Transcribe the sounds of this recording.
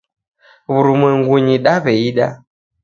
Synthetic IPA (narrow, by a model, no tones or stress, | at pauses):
βuɾumwɛŋɡuɲiɗaβɛiɗa̰